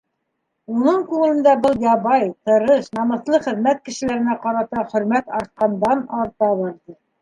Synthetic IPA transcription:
unɤɴkʉŋɘlɘ̆nd̪æbɤlˠjɑβɑjt̪ɤ̆ɾɤʃnɑmɤ̆θlˠɤχɘ̆ðmæt̪̚kɘ̆ʃɘ̆læɾɘ̆næqɑɾɑt̪ɑχɵ̆ɾmæt̪ɑɾt̪̚qɑnd̪ɑnɑɾt̪ɑβɑɾdɤ

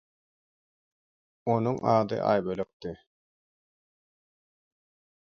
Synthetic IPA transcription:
onuŋʔɑːd̪ɯ̰ʔɑ̰ːjbøløk̚t̪i

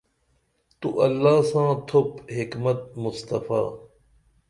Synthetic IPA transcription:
t̪uʔɐlːaːsãːt̪ʰopɦikmɐt̪̚mʊst̪ɐfa̰ː

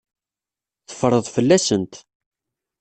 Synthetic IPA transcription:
θə̥fɾˤəðˤfəlːæsənt̪

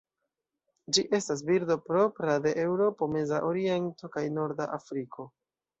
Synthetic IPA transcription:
d͡ʒiʔe̞stas̬biɾdo̞pɾo̞pɾade̞ʔewɾo̞po̞me̞zaʔo̞ɾie̞nto̞kajno̞ɾdaʔafɾiko̞

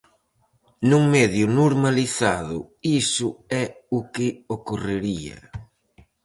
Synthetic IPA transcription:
nuŋmɛðjʊnoɾmaliθaðʊ̰isʊɛʊkɪokoreɾiɐ̰

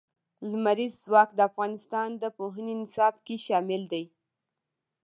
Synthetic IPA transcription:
lmaɾizːwɑkd̪əafɣɑnɪst̪ɑnd̪əpoɦənenɪsɑbkeʃɑmɪld̪aj

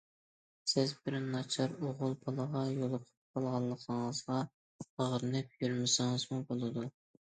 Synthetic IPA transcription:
sɪzbɪɾɪnːɑt͡ʃʰɑɾoʁʊlˠbɑlˠəʁɑjolˠʊqʰʊ̥p̚qʰɑlˠʁɑlˠːəqʰəŋəzʁɑ | əʁəɾɨnɪp̚jylmɪsɪŋɨz̥mubolˠɨd̪u

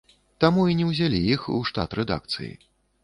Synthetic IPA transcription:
t̪amuinʲɛwzʲalʲijixṵʂt̪a̰t̪ɾɛd̪a̰k̚t̪sɨ̰jḭ

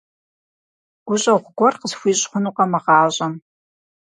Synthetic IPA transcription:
ɡ̥ʷʊɕʼɐʁʷɡʷɔrqəzxʷiːɕʼχʷʊnuqɐmɐʁɑːɕʼɐm

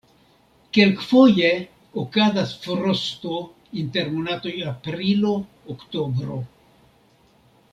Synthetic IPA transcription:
ke̞lkfo̞je̞ | okazasfoɾosto̞ | inte̞ɾmonato̞japɾilo̞ː | kto̞bɾo̞̰

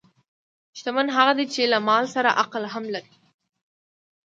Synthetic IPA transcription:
ʃt̪amanɦaɣad̪it͡ʃelamɑlsaɾa̰ʔaqlɦamlaɾi

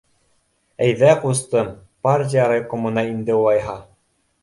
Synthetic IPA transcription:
æjðæqust̪ɤm | parʲt̬ʲijɑɾajkŏmŭnɑind̪ɘulˠɑjɦɑ

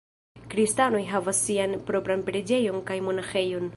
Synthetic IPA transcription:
kɾistano̞jɦavasːianpɾo̞pɾanpɾed͡ʒe̞jo̞nkajmo̞naxe̞jo̞n

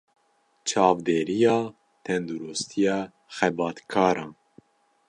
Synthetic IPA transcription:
t͡ʃʰɑːvd̪eːɾijɑː | t̪ʰɛnd̪uɾust̪ʰijɑː | xɛbɑːt̪kʰɑːɾɑ̃ːn

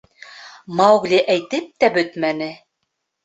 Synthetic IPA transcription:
mɑwɡlʲiʔæjt̪ɘp̚t̪æbɵt̪mænɘ

